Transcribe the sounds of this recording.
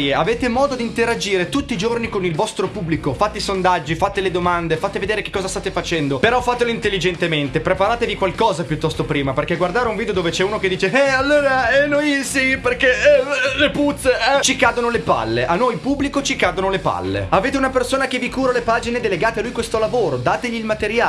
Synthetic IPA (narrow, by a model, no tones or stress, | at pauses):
jeaveːt̪emɔːd̪od̪int̪eɾad͡ʒiːɾet̪ut̪ːiːd͡ʒornikonilvɔst̪ɾopubːlikofat̪ːeisond̪ad͡ʒːifat̪ːeled̪omand̪efat̪eved̪eːɾeke̥kːɔːzast̪at̪efat͡ʃɛnd̪opeɾɔfːat̪ːeloint̪elːid͡ʒent̪ement̪epɾepaɾaːt̪evikwalkɔːzapjut̪ːɔst̪opɾiːmaperkeɡward̪aːɾeũɱvid̪eod̪oːvet͡ʃɛuːnoked̪ːiːt͡ʃeɛalːoːɾaɛnoisiperkeɛleput̪sːeɛt͡ʃikad̪onolepa̰lːeʔanːojpubːlikot͡ʃikad̪onolepa̰lːḛaveːt̪̬eunapersoːnakevikuːɾalepaːd͡ʒined̪eleɡaːt̪ealujkwest̪olavoːɾod̪aːt̪eʎiːlmat̪eɾja